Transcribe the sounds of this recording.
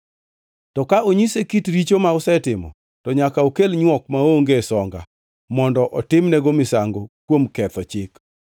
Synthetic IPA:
tɔkaoɲisekitɾit͡ʃomaʊsɛtɪmɔ̰ | tɔɲakaokelɲwɔk̚maoŋɡesɔŋɡa̰ | mɔndɔʔɔtɪmnɛɡomɪsaŋɡokwomkɛt̪ɔt͡ʃɪk

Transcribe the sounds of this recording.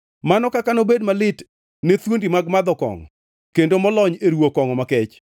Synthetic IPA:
manɔkakanobedmalɪt | net̪wondimaɡmad̪ɔkɔ̰ŋɔ̰ | kendomɔlɔɲeɾwokɔŋɔmakɛt͡ʃ

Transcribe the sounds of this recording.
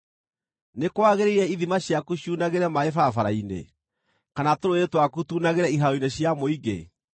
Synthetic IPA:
nekwaɣeɾeiɾɛiðimaɕjakuɕuːnaɣeɾɛmaefafaɾainḛ | kanatoɾoetwakutuːnaɣeɾɛiɦaoineɕjamoiɡḛ

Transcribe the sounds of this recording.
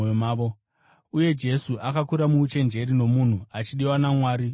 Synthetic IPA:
jomaːʋo | uje̞d͡ʒe̞suʔakakuɾamuːt͡ʃe̞nd͡ʒe̞ɾino̞mun̤uat͡ʃiɗiwanamwaːɾi

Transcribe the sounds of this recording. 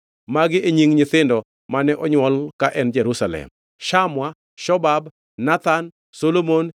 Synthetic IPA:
maɡɪʔeɲiŋɲɪt̪ɪndɔ | manɛʔɔɲwɔlkaʔɛnd͡ʒɛɾusalɛ̰m | ʃamwa | ʃɔbabː | at̪an | solomon

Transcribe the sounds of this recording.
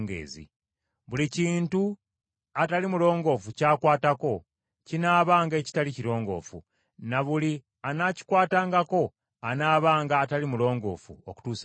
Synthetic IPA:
ŋɡḛːzḭ | βuliciːntu | atalimulo̞ːŋɡo̞ːfucaːkwaːtako̞ | cinaːβaːŋɡe̞ːci̥taliciɾo̞ːŋɡo̞̰ːfṵ | naβuli | anaːci̥kwaːtaːŋɡako̞ | anaːβaːŋɡaːtalimulo̞ːŋɡo̞̰ːfṵoku̥tuːs

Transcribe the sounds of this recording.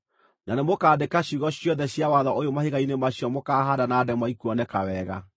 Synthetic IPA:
nanemokaːdekaɕuɣɔɕjɔðɛɕjawaðɔʔojomaheɣainemaɕjɔmokaːɦadanaːdɛmwaikuɔnɛkawɛːɣa̰

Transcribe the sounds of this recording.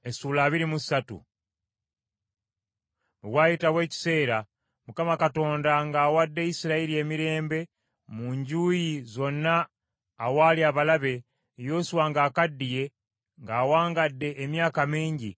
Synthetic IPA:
esuːlaːβiɾimusatṵ | βuwaːjitawe̞ːci̥se̞ːɾa | mukamakato̞ːndaŋɡaːwadːe̞jisiɾaiɾie̞miɾe̞ːmbe̞ | muɲɟujizo̞nːaː | waːliaβalaβe̞ | jo̞ːswaːŋɡaːkadːije̞ | ŋɡaːwaːŋɡadːe̞ʔːmjaːkamiːɲɟi

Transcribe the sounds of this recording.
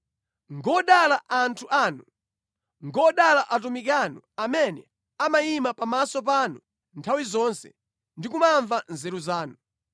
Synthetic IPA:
ŋɡɔɗalaʔantʰuʔaːnu | ŋɡɔɗalaʔat̬umikanɔ | amɛnɛ | amajimapamasɔp̬anu | ntʰawizɔːnsɛ̰ | ndik̬umaɱvanzɛɾuzaːnu

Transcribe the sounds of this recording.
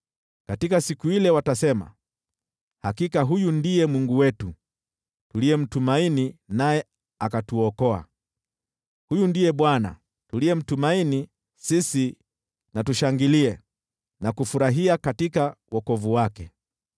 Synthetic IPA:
katikasikuilɛwatasɛma̰ | hakikaɦujundijɛmwuŋɡuwɛtu | tulijɛm̩tumaininajɛ | akatuɔkɔa̰ | hujundijɛɓwana̰ | tuliɛm̩tumaini | sisi | natuʃaŋɡiliɛ | nakufuɾaɦiakatikawɔkɔvuwakɛ

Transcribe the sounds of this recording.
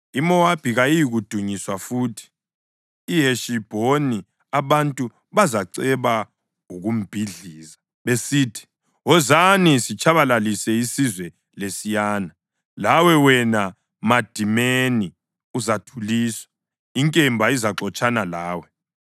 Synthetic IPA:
imɔab̥ʱiɣajijiɣud̥ʱuɲiswafuːtʰi̥ː | ɦeʃib̥ʱoni | aβantʼu | βazaǀɛβa | uɣum̩b̥ʱiɮiːza | βesiːtʰi̥ | ɔzanisit͡ʃʰʼaβalalisɛisizwɛ | lesijaːna | lawɛwɛna | mad̥ʱimeni | uzatʰuliːswḁ | iŋkʼɛmbʱaizaǁɔt͡ʃʰʼanalaːwɛ

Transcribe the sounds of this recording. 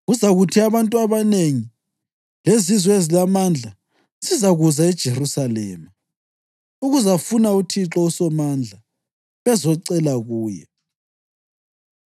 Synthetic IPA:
ɣuzaɣutʰiaβantʼuaβaneŋi | lezizwɛezilamand͡ɮʱa | zizaɣuzaɛd̥ʒ̥ʱerusalɛ̰ːma | uɣuzafunautʰiǁɔusɔmand͡ɮʱa | βɛzɔǀɛlaɣuːjɛ̰

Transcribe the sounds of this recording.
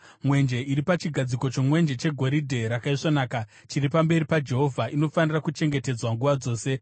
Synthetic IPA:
mwe̞nd͡ʒe̞iɾipat͡ʃiɡʱad͡ziko̞t͡ʃo̞mwe̞nd͡ʒe̞t͡ʃe̞ɡʱo̞ɾidʱe̞ɾakaiʂonaːka | t͡ʃiripambe̞ɾipad͡ʒe̞ɦo̞vʱaʔino̞fanirakut͡ʃe̞ŋɡe̞te̞d͡zwaŋɡuʋad͡zo̞ːse̞

